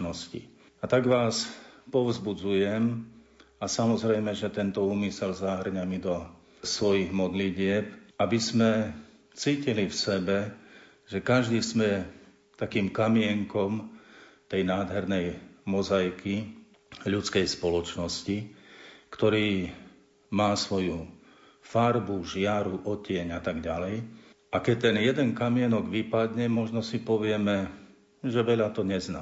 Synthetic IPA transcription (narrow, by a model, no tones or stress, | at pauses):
nɔscḭ | at̪aɡʋaːspɔʋʊzbud͡zujɛm | asamɔzɾɛjmɛʒɛt̪ɛnt̪ɔuːmisɛlzaɦrɲamid̪ɔ | sʋɔjiɣmɔd̪liɟɪɛp̚abizmɛ | t͡siːcilifsɛbɛ | ʒɛkaʒd̪iːzmɛ | t̪akiːmkamiɛŋkɔmt̪ɛjnaːd̪ɦɛɾnɛjmɔzajki | ʎut͡skɛjspɔlɔt͡ʃnɔsci | kt̪ɔɾiː | maːsʋɔju | faɾbuʒɪaɾuʔɔcɪɛɲat̪aɡɟalɛj | ʔakɛc̚t̪ɛnjɛd̪ɛnkamɪɛnɔɡʋipad̪ɲɛmɔʒnɔsipɔʋɪɛmɛ | ʒɛʋɛʎat̪ɔɲɛzna̰